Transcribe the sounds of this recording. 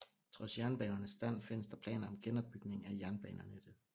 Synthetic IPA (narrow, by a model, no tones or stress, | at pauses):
t͡sʰʁɒ̽sjæɐnb̥ɛːnɐnəsːd̥æn̰fe̝n̰əsd̥ɑ̈pʰlɛ̰ːnɐɒ̽mɡ̥enɒ̽b̥̚yɡ̥ne̝ŋ̩æjæɐnb̥ɛ̰ːnɐned̥e